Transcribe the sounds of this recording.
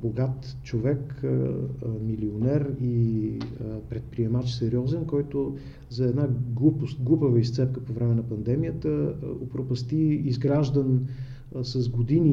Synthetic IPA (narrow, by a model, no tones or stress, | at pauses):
boɡat̪t͡ʃovɛk | milionɛɾi | pɾɛt̪̚pɾiɛmat͡ʃsɛɾiɔzɛnkɔjt̪o | zɐɛd̪naɡlˠupʊst̪ɡlˠupəvəist̪sɛp̚kəpovɾɛmɛnɐpɐnd̪ɛmijət̪əopɾopɐst̪iizɡɾaʒd̪ən | sɐzɡod̪ini